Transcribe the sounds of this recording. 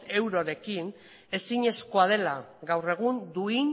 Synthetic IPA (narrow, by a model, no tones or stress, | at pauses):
e̞wɾoɾe̞kin | e̞siɲe̞sko̞að̞e̞laɣawre̞ɣ̞und̪uin